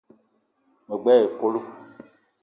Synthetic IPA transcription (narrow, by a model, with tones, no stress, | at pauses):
me˨ɡ͡bɛ˦e˨ko˦lu˦